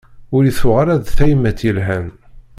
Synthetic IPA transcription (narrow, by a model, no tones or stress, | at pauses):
ʊɾiθʊʁaɾæðθæjmːæt̪ilɦæn